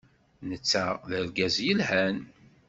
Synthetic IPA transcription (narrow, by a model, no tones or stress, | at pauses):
nət͡sːæðəɾɡæzjəlhæn